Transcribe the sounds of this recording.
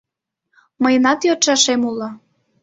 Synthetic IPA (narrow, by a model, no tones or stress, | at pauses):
məjənɑt̪jot̪ʃɑʃemulˠo